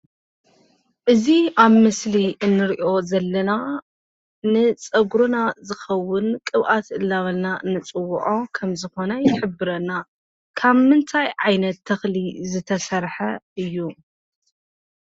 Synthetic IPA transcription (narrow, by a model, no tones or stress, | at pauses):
ʔɨziaβmɨsliʔɨnːɨɾiʔo̞zɐlːɐna | nɨt͡sʼɐɡɾunazɨxɐwːʊnkʼɨβʔat̪ɨlːaβɐlnaɨnːɨt͡sʼɨwːʊʔokʰɐmzɨxo̞nɐjɪħɨbːɨɾɐna | kʰaβmɨnt̪ʰajʕajnɐt̪ʰːɐxlizɨt̪ʰɐsɐɾħɐɨjːu